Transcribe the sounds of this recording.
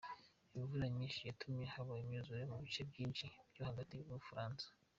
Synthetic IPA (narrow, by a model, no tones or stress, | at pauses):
imivuɾaɲiːnʃijatʰumɲehaβajimjuzuɾemuβit͡ʃebɟiːnʃib̥johaɡatiuβuufuɾaːnsḁ